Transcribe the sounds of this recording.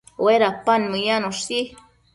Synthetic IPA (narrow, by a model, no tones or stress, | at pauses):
weɾapanmɨjanoʂt̪i